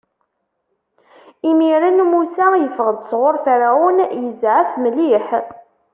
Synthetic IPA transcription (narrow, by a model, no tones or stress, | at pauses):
imiɾænmusæjəfəʁəd̪sʁoɾˤθaɾaʊnjəzʕəfməliħ